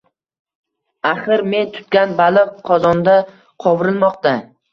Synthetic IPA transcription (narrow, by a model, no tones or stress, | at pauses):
aχɨɾme̞nt̪ʰʊ̥t̪kʲanbalˠɨqqʰːɒzɒnd̪a | qʰɒwɾɪlˠmɒqt̪a